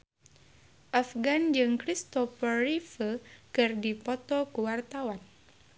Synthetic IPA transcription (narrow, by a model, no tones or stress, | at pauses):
ʔafɡand͡ʒɨŋkɾist̪ɔfərifəkɨrdipɔt̪ɔkuwart̪awan